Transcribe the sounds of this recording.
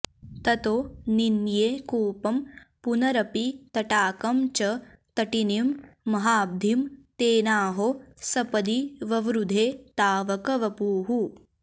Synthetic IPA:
t̪ɐt̪oːninjeːkuːpɐmpunɐɾɐpit̪ɐʈaːkɐmt͡ʃɐ | t̪ɐʈinimːɐɦaːb̚d̪ʱimt̪eːnaːɦosɐpɐd̪iʋɐʋɾud̪ʱeːt̪aːʋɐkɐʋɐpuːɦu

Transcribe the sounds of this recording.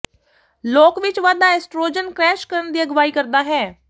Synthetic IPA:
loːkʋɪt͡ʃʋaːd̪aːɛːsʈɾoːd͡ʒənkɾɛːʃkəɾənd̪iːəɡʋaːiːkəɾd̪aːɦɛː

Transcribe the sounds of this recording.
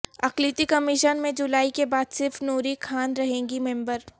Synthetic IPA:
ɐklit̪ikɐmɪʃənmẽd͡ʒʊlaːikebaːd̪sɪɾfnuːɾikʰaːnɾɐɦẽːŋɡimẽːmbəɾ

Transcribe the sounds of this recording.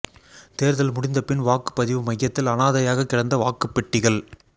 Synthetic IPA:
t̪eːɾðɐlmʊɽɪnd̪ɐpɪnʋaːkɯ̥pːɐðɪʋɯmɐjːɐt̪ːɪlɐnaːðɐjaːɣɐkːɪɽɐnd̪ɐʋaːkɯpːɪʈːɪɣɐɭ

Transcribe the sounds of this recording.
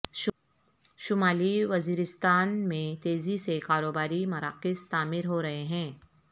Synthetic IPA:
ʃ | ʃʊmaːliʋɐziːɾɪst̪aːnmẽt̪eːzisekaːɾoːbaːɾimɐɾaːqɪst̪aːmɪɾɦoɾɐɦeɦɛ̃ː

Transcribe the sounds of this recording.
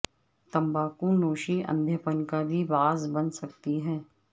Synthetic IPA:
t̪ɐ̃mbaːkũnoːʃiʔɐ̰̃nd̪ʱjəpənkabʱibaːzbɐnsɐk̚t̪iɦɛ̃ː

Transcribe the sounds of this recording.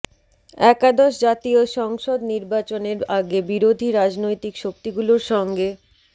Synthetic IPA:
ɛkad̪oʃd͡ʑat̪ioʃɔŋʃod̪niɾbat͡ɕoneɾaɡebiɾod̪ʱiɾad͡ʑnojt̪ikʃok̚t̪iɡuloɾʃɔŋɡe

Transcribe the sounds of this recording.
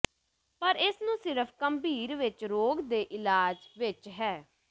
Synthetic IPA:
pəɾɪsnũːsɪɾəpʰkəmbiːɾʋɪt͡ʃɾoːɡd̪eːʔɪlaːd͡ʒʋɪt͡ʃɦɛː

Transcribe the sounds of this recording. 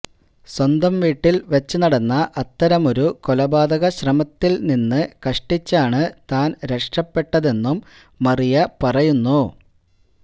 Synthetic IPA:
swɐnd̪ɐmʋiːʈːilʋet͡ɕːunɐɽɐnːɐʔɐt̪ːɐɾɐmo̞ɾuko̞lɐbaːd̪ɐɣɐɕrɐmɐt̪ːilninːɨkɐʂʈit͡ɕːaːɳɨt̪aːnɾeʂʈrɐpːe̞ʈːɐðe̞nːumː | ɐrijɐpɐrɐjunːu

